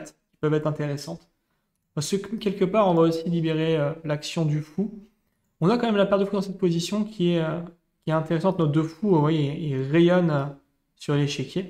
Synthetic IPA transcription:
t̪kʲi̥pœvɛt̪χɛ̃t̪eʁesɑ̃t̪ | səkkʲɛlkəpaʁɔ̃vaosilibeʁeølaksjɔ̃d̪yfu | ɔ̃nakɑ̃mɛmlapɛʁd̪əfud̪ɑ̃sɛt̪̚pozisjɔ̃kʲʰiɛø | kʲiɛt̪ɛ̃t̪eʁesɑ̃t̪nod̪øfuvwajeːʁejɔnø | syʁleʃekʲje

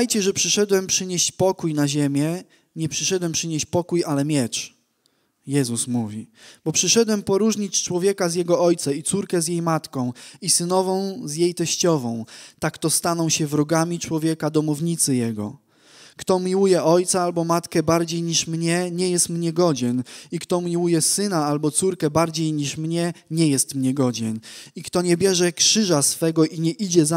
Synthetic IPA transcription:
ajt͡ɕɛʐɛpʂɘʂɛd̪wɛmpʂɘɲeɕt͡ɕpɔkujnaʑɛmʲjɛ | ɲɛpʂɘʂɛd̪wɛmpʂɘɲeɕt͡ɕpɔkujalɛmʲjɛt͡ʂ | jɛzusmuvʲib̥ɔpʂɘʂɛd̪wɛmpɔɾuʐɲit͡ɕt͡ʂwɔvʲjɛkazʲjɛɡɔɔjt̪sait̪suɾkɛzjejmat̪kɔ̃w̃isɘnɔvɔ̃w̃zjejt̪ɛɕt͡ɕɔvɔ̃w̃t̪akt̪ɔst̪anɔ̃w̃ɕɛvɾɔɡamʲit͡ʂwɔvʲjɛkad̪ɔmuvɲit̪sɘjɛɡɔ̰ | kt̪ɔmʲiwujɛʔɔjt̪saalbɔmat̪kɛbaɾd͡ʑejɲiʂmɲɛɲɛjɛst̪mɲɛɡɔd͡ʑɛnikt̪ɔmʲiwujɛsɘnaalbɔt̪suɾkɛbaɾd͡ʑejɲiʂmɲɛɲɛjɛst̪mɲɛɡɔd͡ʑɛnikt̪ɔɲɛbʲjɛʐɛkʂɘʐasfɛɡɔʔiɲɛʔid͡ʑɛza

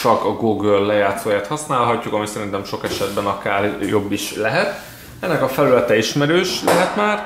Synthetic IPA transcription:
t͡ʃɒkɒɡoːɡølːɛjaːt̪soːjaːt̪hɒsnaːlɦɒcːukɒmisɛɾint̪ɛmʃo̞kɛʃɛd̪bɛnɒkaːrjo̞bːiʃlɛɦɛt̪ | ɛnːɛkɒfɛlylɛt̪ɛiʃmɛɾøːʃlɛɦɛt̪maːr

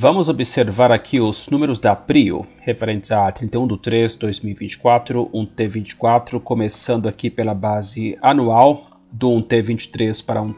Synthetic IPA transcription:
vɐ̃mʊzobiseɾvaɾakʰiʊz̥nũmeɾʊzd̪ɪapɾiʊ̰hefeɾẽnt̪ɪzat̪ɾĩnt̪ejũd̪ʊt̪ɾezd̪ojzmiwivĩnt͡ʃɪ̥kwat̪ɾʊʔũt̪evĩt͡ʃɪ̥kwat̪ɾʊkomesɐ̃nd̪ʊakipelɐbazɪanuaw | d̪ʊũt̪evĩnt͡ʃɪ̥t̪ɾespaɾɐũ

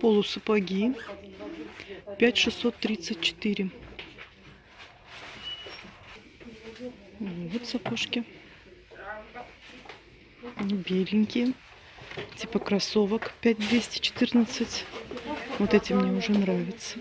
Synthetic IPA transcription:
po̞lˠʊsɨpɐɡʲi | pʲætʲʂɨsːo̞t̪ːɾʲit̪sɨt̚ʲt͡ɕɪ̥t̪iɾʲɪ | vvot̪sɐpoʂkʲɪ | bʲelʲɪnʲkʲɪjə | tʲipəkɾɐso̞vəkpʲæt̚ʲd̪vʲesʲtʲɪ̥t͡ɕɪ̥t̪ɨrnət̪sɨtʲ | vo̞t̪ɛtʲɪmːnʲeʊʐɛnɾavʲɪt̪sə

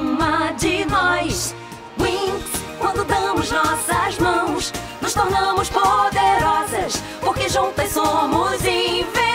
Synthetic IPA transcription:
mɐd͡ʒɪnɔjs | wĩskwɐ̃nd̪ʊd̪ɐ̃mʊznɔsɐzmɐ̃w̃snʊʃt̪oɾnɐ̃mʊspod̪eɾɔzɐs | poɾkeʒũt̪ɐsomʊzẽve

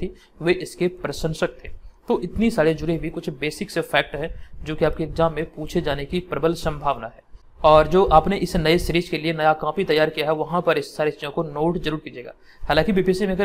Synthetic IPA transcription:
t̪ʰi | ʋeʔɪskepɾɐsə̃nsɐk̚t̪ʰẽt̪oːʔɪt̪nisaːɾed͡ʒʊɾebʱikʊt͡ʃʰbeːsɪksefɛːk̚ʈɦɛd͡ʒoːkiaːp̚keːkzaːmːẽpuːt͡ʃʰed͡ʒaːnekipɾɐbəlsɐ̃mbʱaːʋnaɦɛː | ɔːɾd͡ʒoːʔaːpneʔɪsnɐesɾiːt͡ʃkelienɐjakãːpit̪ɐjːaːɾkijaɦɛʋɐɦãpɐɾɪsːaːɾest͡ʃijõkonoːʈzɐɾuːɾkiːd͡ʒeːɡa̰ː | haːlãːkibiːpiːsimẽɡə

